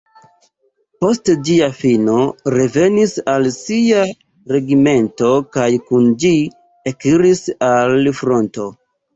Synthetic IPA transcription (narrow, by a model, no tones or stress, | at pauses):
po̞std͡ʒiafino̞ɾe̞ve̞nisalsia | ɾe̞ɡime̞nto̞kajkund͡ʒi | ekiɾisalfɾo̞nto̞